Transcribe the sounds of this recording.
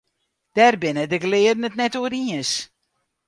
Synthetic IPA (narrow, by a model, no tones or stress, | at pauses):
d̥ɛrbɪnədəɡlɪːədnətnɛtoəɾiəns